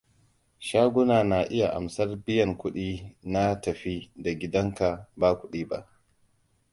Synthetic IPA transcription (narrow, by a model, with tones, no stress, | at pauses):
ʃaː˦ɡʷʊ˦naː˨na˨ʔɪ˦ja˨ʔa̰˨msɐ˦rbɪ˦jɐ˨ŋkʷʊ˦ɗiː˦na˦tɐ˨ɸi˦da˨ɡʲɪ˦dɐ˦ŋka˨baː˦kʷʊ˦ɗiː˦ba̰˦˨ʔ